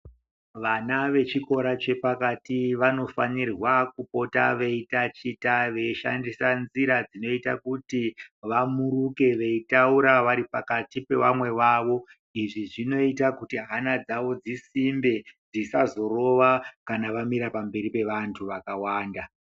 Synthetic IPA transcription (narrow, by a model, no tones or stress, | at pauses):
ʋanaʋe̞t͡ʃiko̞ɾat͡ʃe̞pakatiʋano̞fanirwakupo̞ta̰ʋe̞itat͡ʃitaʋe̞iʃa̰ndisanziɾad͡zino̞ita̰kutiʋamuruke̞ʋe̞itauɾaʋaɾipakatipe̞ʋa̰mwe̞ʋaːʋo̞ | iʐiʐino̞itakutiɦanad͡zaʋo̞d͡zisimbe̞d͡zisazo̞ro̞ʋakanaʋamiɾapambe̞ɾipe̞ʋantʰuʋakawaːnda